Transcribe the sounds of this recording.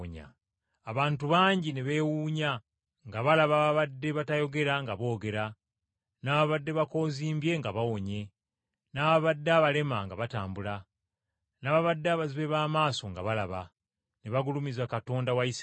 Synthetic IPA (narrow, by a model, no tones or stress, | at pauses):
ɲa̰ | aβaːntuβaːɲɟine̞βe̞ːwuːɲa | ŋɡaβalaβaβaβadːe̞βatajo̞ɡe̞ɾaŋɡaβo̞ːɡe̞ɾa | naβaβadːe̞βako̞ːziːmbje̞ŋɡaβawo̞ɲe̞ | naβaβadːaβale̞maŋɡaβataːmbula | naβaβadːaβaziβe̞βaːmaːso̞ŋɡa̰βalaβa | ne̞βaɡulumizakato̞ːndawais